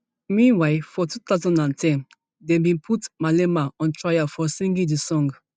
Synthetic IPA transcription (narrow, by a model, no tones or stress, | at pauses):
mĩnwaɪfɔtutazɔ̃ndãntʰɛ̃n | dɛ̃mbĩnpʰutmalɛmaɔ̃ntʰɹajafɔsĩŋɡĩŋdisɔ̃ŋɡ